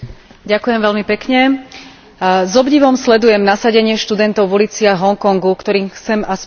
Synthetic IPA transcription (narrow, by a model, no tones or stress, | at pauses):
ɟakujɛmʋɛlmipɛkɲɛ | zɔbɟiʋɔmslɛd̪ujɛmnasaɟɛɲɪɛʃt̪ud̪ɛnt̪ɔʊʋulit͡siaɦɔŋkɔŋɡukt̪ɔɾiːmxt͡sɛmas